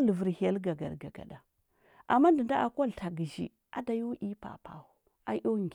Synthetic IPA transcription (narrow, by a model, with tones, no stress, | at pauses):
lə˨və˨ɾha˨˦lɡa˨ɡa̰˨ɾɡa˨ɡa̰˨da˨ | ʔa˨mːa˦n˦də˨nda˦ʔa˨kʷo˦ltʰa˨ɡi˨ʒḭ˨ | a˦da˨jo˦ʔi˦pa̰˨pa̰˨u˨˦ | a˦jo˦ŋ˨ɡ